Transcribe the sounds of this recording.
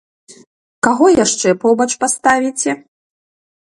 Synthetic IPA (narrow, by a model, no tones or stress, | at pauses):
kaɣɔjaʂt͡ʂɛpɔbɐt͡ʂpast̪avʲit͡sʲɛ